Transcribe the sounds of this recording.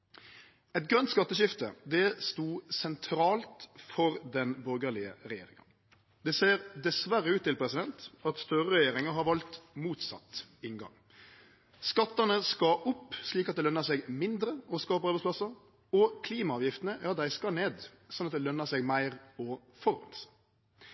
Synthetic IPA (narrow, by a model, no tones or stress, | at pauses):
ɛt̪ɡɾœnt̪skɑt̪ːəʃɪft̪ə̰d̪ɛst̪uːsɛnt̪ʰɾɑːlt̪fɔɾd̪ɛnbœɾɡəɾɭɪə̰ɾɛjḛːɾɪŋə̰n | d̪ɛseːɾd̪ɛsʋæɾːəʉːt̪ːɪlpʰɾɛsɪd̪ɛnt̪ɑt̪st̪œɾəɾɛjeːɾɪŋəɦɑɾʋɑlt̪muːt̪sɑ̰t̪ɪŋɡɑ̰ŋ | skɑt̪ːɑnəskɑʔʊpːsliːkɑt̪d̪ɛlœnːɑsɛːɡmɪnd̪ɾəɔskɑːɔpɑɾbɛɪspʰlɑsəɾ | ɔkʰliːmɑɑːʋjɪft̪ənəjɑːd̪æɪskɑneːd̪sɔnːɑt̪̚d̪ɛlœnːɑsɛɡmæɪɾɔ | fɔɾɔ̰lsə̥